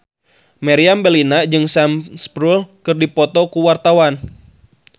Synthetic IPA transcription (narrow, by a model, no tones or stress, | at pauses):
maɾiambəlinad͡ʒɨŋsamspɾulkɨrdipɔt̪ɔkuwart̪awan